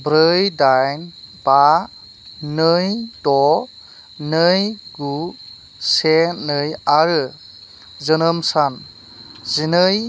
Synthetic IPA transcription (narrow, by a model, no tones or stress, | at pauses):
bɾɯjdajnb̥a | nɯjdɔ | nɯjɡu | senɯjaɾɯ | zɯnəmsan | zinɯj